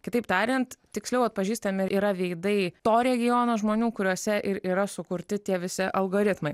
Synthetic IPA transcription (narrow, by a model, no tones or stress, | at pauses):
kʲɪt̪ɐɪpt̪ɑːɾʲɪnt̪t̪ʲɪksʲlʲɛʊɐt̪̚pɐʒʲiːst̪ɐmʲɪiːɾɐʋʲɛɪd̪ɐɪt̪oːɾʲɛɡʲɪjoːnoːʒmoːnʲuːkʊɾʲuɔsʲɛʔɪɾiːɾɐsʊkʊɾʲt̪ʲɪt̪ʲiɛʋʲɪsʲɪʔɐlˠɡoːɾʲɪt̪mɐɪ